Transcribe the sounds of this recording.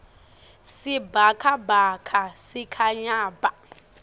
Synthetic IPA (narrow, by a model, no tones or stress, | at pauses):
sibakʰabʱakʰasikʰaɲaːba